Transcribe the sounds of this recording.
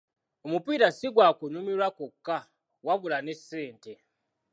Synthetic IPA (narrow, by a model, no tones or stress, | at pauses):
omupiːɾasiɡwaːkunumiɾwakokːa | waβulane̞sːe̞ːnte̞